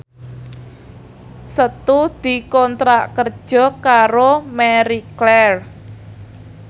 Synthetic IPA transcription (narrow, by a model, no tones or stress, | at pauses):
sət̪ud̪̥i̤kɔnt̪ɾaʔkərd̥ʒ̥ɔ̤kaɾomɛɾiklɛr